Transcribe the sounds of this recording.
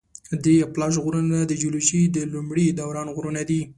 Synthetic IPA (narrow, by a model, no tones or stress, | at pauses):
d̪ɾeaplɑʒɣoɾənad̪əd͡ʒuluʃid̪əlumɽid̪awɾɑnɣɾənad̪i